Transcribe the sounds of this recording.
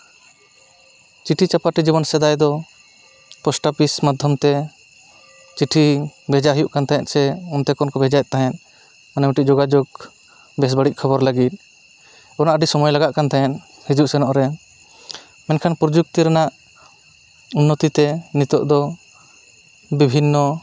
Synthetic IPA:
t͡ʃiʈʰit͡ʃapaʈid͡ʒibɔnsɛd̪ajd̪ɔ | pɔsʈapismad̪ʱjɔmt̪ɛ | t͡ʃiʈʰibʱɛd͡ʒaɦijuʔkant̪ajɛʔ̪sɛɔnt̪ɛkɔnkɔbɛd͡ʒajt̪̚t̪ːaɦɛn | manɛmɔʈiʔ̚d͡ʒoɡad͡ʒoɡ | bɛs̬baɽiʔ̚ˀkʰɔbɔɾlaɡit̪̚ˀ | kɔnaʔɖisɔmɔjlaɡaʔkant̪ajɛn | hid͡ʒuʔsɛnɔʔɾɛ | mɛnkʰanpɾɔd͡ʒuk̚t̪iɾɛnaʔ | unːɔt̪it̪ɛnit̪ɔʔd̪ɔ | bibʱinːɔ

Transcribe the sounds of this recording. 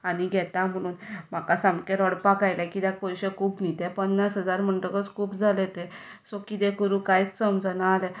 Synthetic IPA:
añiɡʱɛt̪am̤əɽ̃uːnm̤akasãmkeɾəɽpakajlɛkit̪jakojɕekʰuːpnit̪ɛ̃pənnasɦəd͡zaɾm̤əɳʈəkət͡skʰuːpd͡zʱalet̪esokit̪ekəɾũkajt͡ssəmd͡zənaːle

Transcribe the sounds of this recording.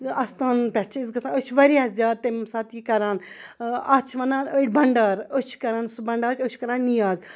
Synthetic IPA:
ɐst̪aːnpʲɛʈ̚t͡ʃʰizɡɐt̪ãət͡ʃʰʋɐɾiɐzʲaːd̪̚t̪emsaːt̪ikɐɾaːn | ɐt͡ʃʰʋɐnaːnəɽʲbɐɳɖaɾət͡ʃʰkɐɾaːnsbɐɳɖaːɾt͡ʃʲət͡ʃʰkɐɾaːnːijaːz

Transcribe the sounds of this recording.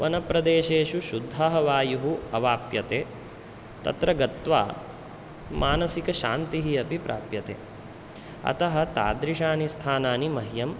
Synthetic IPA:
ʋɐnɐpɾɐd̪eːʃeːʃuʃud̪ʱːaːɦɐʋaːjuɦuɐʋaːpjɐt̪eː | t̪ɐ̰t̪ɾɐɡɐt̪ʋa̰ː | mʔaːnɐsikɐʃaːnt̪iɦiɐbʱipɾa̰ːpjɐt̪ḛː | ɐ̰t̪ɐɦɐ̆t̪a̰ːd̪ɾiʃaːnist̪ʰaːnaːnimɐɦjɐm

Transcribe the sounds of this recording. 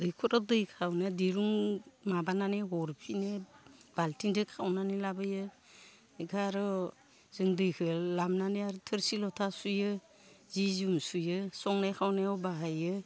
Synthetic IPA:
dɯjkʰɔɾɔdɯjkʰawnadiɾuŋmabananeɦɔɾpʰineb̥altiŋdɯkʰawnanilabɯjɯ | ɡaɾɔ | z̥ɯŋdɯjkʰɯlamnaneaɾtʰɯɾsilɔtʰasujɯ | zizumsujɯsɔŋnajkʰawnajawbaɦajɯ

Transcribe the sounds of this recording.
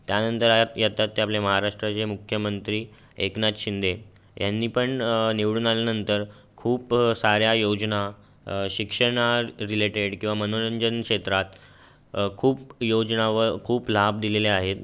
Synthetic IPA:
t̪janənt̪əɾat̪jət̪at̪ːeapleməɦaɾaʂʈɾat͡ɕemukʰjəmənt̪ɾiː | eknat̪ɕind̪e | janːiːpəɳniʋɽunaljanənt̪əɾ | kʰuːpsaɾjajod͡ʑna | ɕikʂəɳaɾileʈeɽkĩw̃ʋamənoɾəɲd͡ʑənkʂet̪ɾat̪ | kʰuːpjod͡znaʋəɾkʰuːplab̚d̪ileleaɦet̪

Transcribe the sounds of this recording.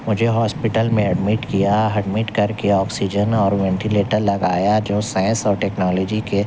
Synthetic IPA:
mʊd͡ʒʱeɦɔːspɪʈəlmẽɐɖmɪʈkijaɐɖmɪʈkɐɾkeɔːksid͡ʒənɔːɾʋɛ̃ɳʈileːʈəɾlɐɡaːjad͡ʒoːsãːɪ̃nsɔːɾʈɛːknɔːlɔːd͡ʒike

